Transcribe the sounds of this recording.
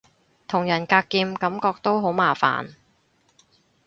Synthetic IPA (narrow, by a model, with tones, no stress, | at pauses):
t̪ʰʊ˨˩ŋjɐ˨˩nkaː˧kːiː˧mkɐ˨˥mkɔː˧k̚t̪o˥wɦo˨˥wmaː˨˩fa̰ː˨˩n